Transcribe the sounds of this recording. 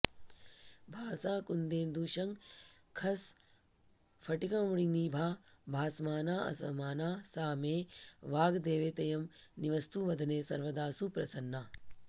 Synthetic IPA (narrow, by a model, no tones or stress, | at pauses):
bʱaːsaːkund̪eːnd̪uːʃɐŋkʰɐs | fʰɐʈikɐmuɽiniːbʱaːbʱaːsmaːnaːɐ̰sɐmaːnaːsaːmeːʋaːɡd̪eːʋeːt̪ɐjɐmniʋɐst̪uʋɐd̪ʱɐneːsɐ̰ɾʋɐd̪aːsupɾɐsɐnːaː